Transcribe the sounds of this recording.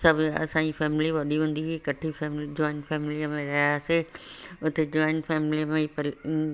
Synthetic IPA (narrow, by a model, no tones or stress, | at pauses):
sɐbɐ̰sãːd͡ʑifɛːmliʋɐɗiɦũːn̆d̪iekɐʈʰifɛmld͡ʑɔːɪnfʰɛːmɪliəmẽɾɐɦaseʊt̪ed͡ʑɔːɪnfɛːmɪliəmẽpɐl